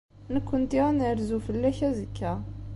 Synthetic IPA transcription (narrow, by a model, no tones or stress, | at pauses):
nəkʷːənt̪iænəɾzufəlːæçæzəkːæ